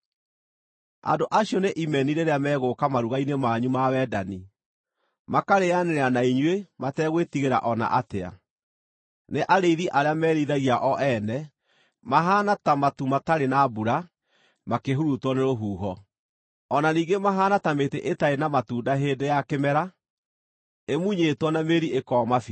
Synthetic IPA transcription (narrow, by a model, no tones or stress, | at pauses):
a̰ndoʔaɕjɔneʔimɛniɾeɾeamɛːɣokamaɾuɣainemaɲumawɛːdani | makaɾeaneɾeanaiɲwematɛːɣwetiɣeɾa̰ʔɔna̰ʔatea̰ | neʔaɾeiðiʔaɾeamɛːɾiðaɣiaʔɔʔɛnɛ | maɦanatamatumataɾenabuɾa | makeɦuɾutɔneɾoɦuːɦɔ | ɔnaniːŋɡemaɦaːnatameteʔetaenamatuːdaɦeːdejakemɛɾa | emuɲetwɔnameɾiekɔmafi